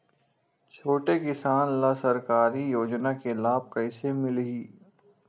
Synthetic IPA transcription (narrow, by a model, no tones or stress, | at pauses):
t͡ʃʰoːʈekɪsaːnlasɐɾkaːɾijoːd͡ʒnakelaːb̚kɐɪsemɪlɦiː